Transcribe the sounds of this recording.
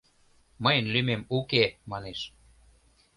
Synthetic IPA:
məjənlymemukemɑneʃ

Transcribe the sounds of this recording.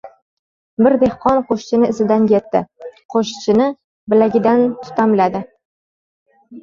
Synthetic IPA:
bɪɾd̪e̞hqɒnqʰoʃt͡ʃɪnɪɪzɪd̪ankʲe̞t̪ːɪqʰoʃt͡ʃʰɪnɪ | bɪlaɡʲɪd̪ant̪ʰʊ̥t̪ʰamlad̪ɪ

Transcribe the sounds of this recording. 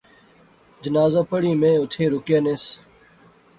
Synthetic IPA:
d͡ʒənaːzaːpəɽiːmẽːʊt̪ʰeːɾʊkɪjaːneːs

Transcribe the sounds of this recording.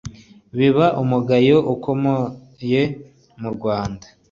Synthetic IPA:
βiβaʔumuɡajoʔukomo | je̞ | muɾɡwaːnda

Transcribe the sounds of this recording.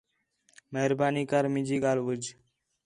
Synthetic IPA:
meɦɾbaːniːkaɾmɪ̃d͡ʒiːɠaːlʋəd͡ʒ

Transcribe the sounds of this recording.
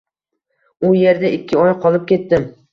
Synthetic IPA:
ʊje̞ɾd̪aɪkʲʰːɪɒjqʰɒlˠɪp̚kʲʰe̞t̪ːɪm

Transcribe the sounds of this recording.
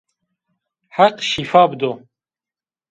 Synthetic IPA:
ħaqʃifaːbd̪o

